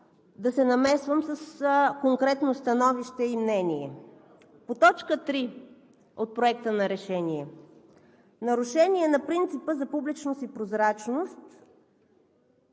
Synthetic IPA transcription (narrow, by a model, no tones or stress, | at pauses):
d̪ɐsɛnɐmɛsvəmsəskoŋkɾɛt̪nost̪ɐnɔviʃt̪ɛimnɛniɛ | pot̪ɔt͡ʃkət̪ɾi | ot̪̚pɾoɛk̚t̪ənɐɾɛʃɛniɛ | nɐɾʊʃɛniɛnɐpɾint̪sipəzɐpublit͡ʃnost̪ipɾozɾat͡ʃnost̪